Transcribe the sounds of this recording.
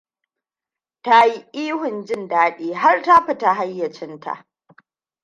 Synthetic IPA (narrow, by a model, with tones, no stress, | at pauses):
ta˦ji˦ʔiː˦hʊ˨nd͡ʒɪ˦ndaː˦ɗeː˦ɦa˦rta˦ɸɪ˨ta˦˨ɦa˦jːɐ˨t͡ʃɪ˦nta̰˨ʔ